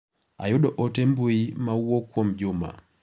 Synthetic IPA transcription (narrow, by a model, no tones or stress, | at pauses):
a̰juɗɔʔɔtɛmbuimawwɔkwɔmd͡ʒuma̰